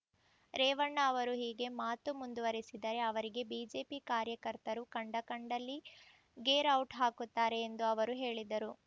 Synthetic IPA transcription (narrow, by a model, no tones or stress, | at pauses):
ɾɛːʋɐɳːɐːʋɐɾuɦiːɡe̞maːt̪umund̪uʋɐɾisid̪ɐɾe̞ɐʋɐɾiɡe̞biːd͡ʒe̞ːpikaːɾjɐkɐɾt̪ɐɾukɐɳɖɐkɐɳɖɐlːi | ɡeːɾɐwʈɦaːkut̪ːaːɾe̞ːnd̪uɐʋɐɾuɦe̞ːɭid̪ɐɾu